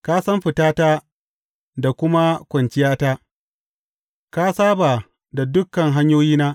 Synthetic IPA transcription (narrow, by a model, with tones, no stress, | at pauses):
kaː˦sɐ˦mɸɪ˨taː˦taː˦ | da˨kʷʊ˦ma˦kʷɐ˨nt͡ʃɪ˦jaː˦taː˦ | ka˦saː˦baː˨ | da˨dʊ˦kːɐ˨ŋɦa˦ɲjoː˦jiː˦naː˦